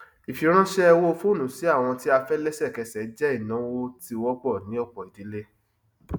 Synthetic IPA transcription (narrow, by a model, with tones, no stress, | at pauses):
i˨fi˨˦ɾ̃ã˦ʃɛ˦ɛ˧wo˦o˧fo˦˨nũ˨˦si˨˦a˦˨w̃ɔ̃˧ti˦a˧fɛ˦lɛ˦sɛ˦˨kɛ˧sɛ˨˦d͡ʒɛ˦i˦˨nã˨˦wo˦ti˦˧wɔ˦ɡ͡bɔ˦˨nĩ˨˦ɔ˦˨k͡pɔ˨i˨di˨˦le˦